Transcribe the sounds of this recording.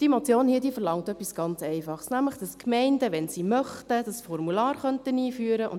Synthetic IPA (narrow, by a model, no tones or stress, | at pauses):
d̥imɔt͡sjoːnhiːədiːfəɾlɑŋtœpːisɡ̥ɑnt͡sɛɪfɑχsnæmləχd̥ɑskmɛɪndəʋɛnsimœχtəd̥ɑsfɔrmulɑːɾχœntəniːfyːəɾəʔʊ̰n